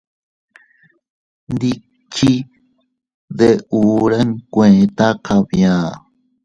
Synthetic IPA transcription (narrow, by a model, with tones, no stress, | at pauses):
nd̪i˦ | t͡ʃi˦ | ðe˧uː˨ɾə˦ŋkʷẽ˨t̪a˦qʰa˧βjã˨